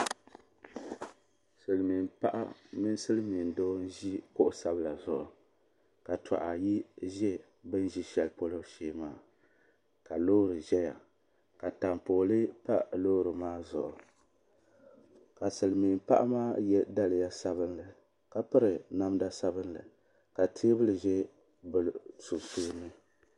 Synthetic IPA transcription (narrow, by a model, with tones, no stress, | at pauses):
sɨ˨lmi˨npa˦ʔa̰˦mi˦n˦sɨ˦lɨ˦mi˨n˨doː˦n̩˦ʒi˦kʊ˦ʔʊ˨sa˦bɨ˦la˨zʊ˨ʔʊ˨ | ka˨ta̰˨ʔa˨ji˦ʒɛ˦ | bɨ˦n˦ʒi˦ʃɛ˨lɨ˦po˦lɨ˦ʃeː˦maː˦˨ | ka˨loː˦ɾɨ˨ʒɛ˦ja̰˨ | ka˨ta˨mpoː˨lɨ˦pa˦lo˦ɾɨ˨maː˦zʊ̰˨ʔʊ˨ | ka˨sɨ˨lɨ˨miː˨m˨pa̰˦ʔmaː˦jɛ˦da˦lɨ˨ja˦sa˦bɨ˦nlɨ˨ | ka˨pɨ˦ɾɨ˨na˦mda˦sa˦bɨ˦nlɨ̰˨ | ka˨tʰeː˦bɨ˦lɨ˨ʒɛ˦ | bɨ˨lsu˨tuː˦nɨ˦